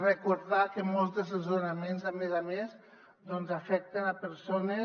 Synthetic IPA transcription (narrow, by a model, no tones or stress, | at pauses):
rekuɾðakemɔlˠzðesezuɾamenzamezamez | d̪ɔnzafɛk̚t̪enapəɾsone